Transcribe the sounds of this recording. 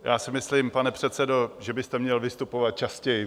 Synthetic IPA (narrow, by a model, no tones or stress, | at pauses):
jʔaːsɪmɪsliːmpanɛpr̝̥ɛt̪sɛdo̞ʒɛbɪst̪ɛmɲɛlvɪst̪upovat̪̚t͡ʃascɛjɪ